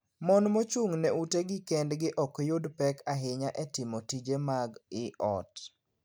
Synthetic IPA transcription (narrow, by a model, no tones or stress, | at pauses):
mɔnmot͡ʃuŋnɛuteɡɪkɛndɡɪʔɔkjodpɛkaɦɪɲaʔɛtɪmotid͡ʒemaɡɪʔɔ̰t